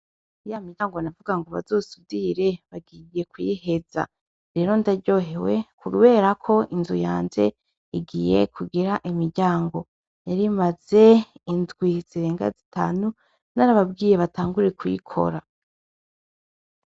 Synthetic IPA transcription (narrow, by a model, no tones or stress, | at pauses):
ijamiaːŋɡo̞navuɡaŋɡoβa̰zoːsubiɾe̞βaɡije̞kwḭhe̞za̰ | ɾe̞ɾo̞ndaɾɟo̞ːɦe̞we̞kʰuɾuβe̞ːɾakʰo̞ʔinzujaːnze̞̰ | iɡiːje̞̰kʰuɡiɾaʔimiɾɟaːŋɡo̞ | jaɾimaz̥e̞inzɡwiz̥iɾe̞ːŋɡa̰zita̰ːnu | naɾaβab̚ɡiːjeβataːŋɡuɾie̞kujḭkʰo̞̰ɾa